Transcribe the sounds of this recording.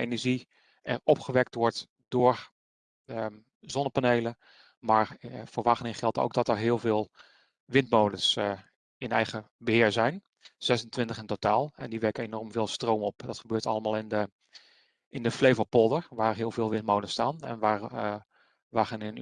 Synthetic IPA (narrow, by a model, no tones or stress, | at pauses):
ḛjnəɹʒi | ʔɛ̰ɹɔpχəʋɛk̚tʋɔɹt | d̥ʊːɹ | ə | zɔnəpanejlə | maːɹfʊːɹʋaχnɪŋχɛlˠto̰wk̚dɔtəɹɦɪəlˠvɪːlˠ | ʋɪntmowdəs | ɪnɛ̰jχəbəɦɪːɹzɛjn | z̥ɛsəntʋɪntəχɪntotaːlˠɛ̰ndiʋɛɹkəenɔɹmvɪːlˠstrowmɔpdɑtχəbøːɹtɑ̰ləmaːlˠɪndə | ʔɪndəflejvəpɔlˠdəɹʋaːɹɦɪəlˠvɪːlˠʋɪnt̚mowdəstaːnɛ̰nʋar | ʋaχənɪn